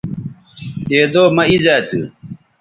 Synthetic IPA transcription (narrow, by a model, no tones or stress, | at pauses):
t̪eːd̪oːmɐizaːt̪ṵ